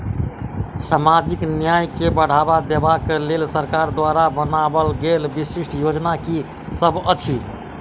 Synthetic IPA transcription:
samad͡ʒiknjajkebəɽ̤abad̪ebakelelsəɾkaɾd̪ʋaɾabənabəlɡelbisiʂʈʰjod͡ʒnaki | səbʱət͡ʃʰi

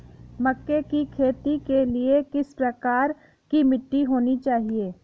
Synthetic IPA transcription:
mɐkːekikʰeːt̪ikeliekɪspɾɐkaːɾ | kimɪʈːiɦoːnit͡ʃaːɦieː

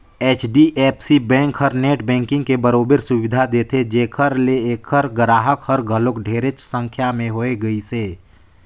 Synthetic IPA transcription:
eːt͡ʃɖiʔeːpsibɛ̃ːŋkɦəɾneːʈbɛ̃ːŋkɪ̃ŋɡkebəɾoːbəɾsʊʋɪd̪ʱad̪eːt̪ʰed͡ʒeːkʰəɾleeːkʰəɾɡɾaːɦəkhəɾɡʱəlokɖʱeːɾet͡ʃsə̃ŋkʰjamẽɦoːeɡəiseː

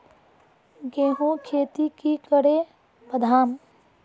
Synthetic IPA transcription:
ɡẽːɦũkʰeːt̪ikikəɽe | bəd̪ʱaːm

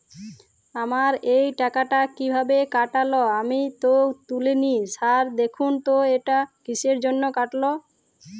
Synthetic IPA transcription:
amaɾejʈakaʈakibʱabekaʈaloamit̪ot̪uleniʃaɾd̪ekʰunt̪oeʈakiʃʰeɾd͡ʑonːokaʈlo

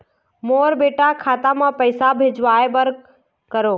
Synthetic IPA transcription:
moːɾbeːʈakʰaːt̪amãːpəɪsabʱed͡ʒʋaːebəɾ | kəɾoː

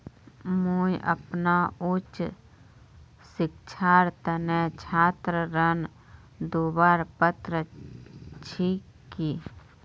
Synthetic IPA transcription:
moːjʔə̰pnaʊt͡ʃ | sɪk̚t͡ʃʰaːɾt̪ənet͡ʃʰaːt̪ɾəɾən | d̪oːbaːɾpət̪ɾə | t͡ʃʰiːkː | iː

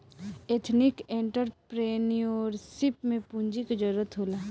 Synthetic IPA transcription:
et̪ʰnɪkẽɳʈəɾpɾeːniɔːɾsɪpmẽpũɲd͡ʒiked͡ʒəɾuːɾət̪ɦoːlaː

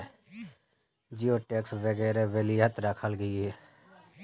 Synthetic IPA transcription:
d͡ʒioːʈeːksʋəɡɛːɾeʋeliət̪ɾəkʰəlɡəiɦeː

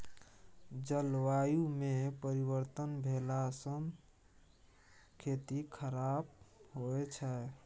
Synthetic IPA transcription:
d͡ʒəlwajumepəɾibəɾt̪ənbʱelasəm | kʰet̪ikʰəɾabɦoɛt͡ʃʰə

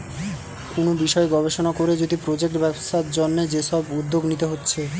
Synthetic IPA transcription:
konobiʃɔeɡɔbʱeʃonakoɾed͡ʑod̪ipɾod͡ʑek̚ʈbɛbsaɾd͡ʑonːed͡ʑeʃɔbud̪ːoɡnit̪eɦotːɕʰe

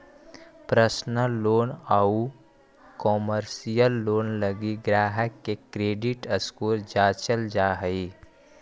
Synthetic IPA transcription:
pɾəsnəːoːnau | koːməɾsijəlːoːnləɡiɡɾaːɦəkːekɾeːɖɪʈəskoːɾd͡ʒaːt͡ʃəld͡ʒaːɦəi

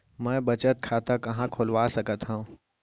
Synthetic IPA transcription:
mɛ̃ːbɐt͡ʃət̪̚kʰaːt̪akɐɦãkʰoːlʋaːsɐkət̪ɦuũ

